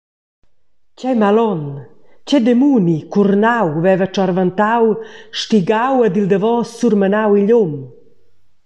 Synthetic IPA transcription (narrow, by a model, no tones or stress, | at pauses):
cɛjmalɔnt͡ɕɛd̪emunikurnawvɛvət͡ʃaɾvant̪awʃtiɡawəd̪ild̪əvɔsuɾrmənawiʎom